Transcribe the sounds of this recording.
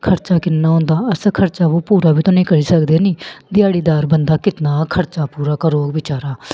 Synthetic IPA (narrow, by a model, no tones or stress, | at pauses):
kʰəɾt͡ʃaːkɪnːaːɦõːnd̪aːəskʰəɾt͡ʃaːʋoːpuːɾaːbiːt̪õːnĩːkəɾiːsəkd̪eːnĩːd̪ɪjaːɽiːd̪aːɾbənd̪aːkɪt̪naːkʰəɾt͡ʃaːpuːɾaːkaːɾoːɡʋɪt͡ʃaːɾaː